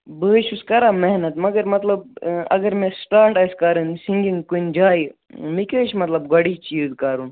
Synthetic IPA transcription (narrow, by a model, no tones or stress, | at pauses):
bəːʃuskɐɾaːmeɦnɐt̪mɐɡɐɾmɐt̪lɐbɐ̰ɡɐɾmẽsʈaːɾʈɐjskɐɾɨnsiŋɡiŋɡkund͡ʒaːi | mikəːʃmɐt̪lɐbɡɐɽit͡ʃiːzkɐɾun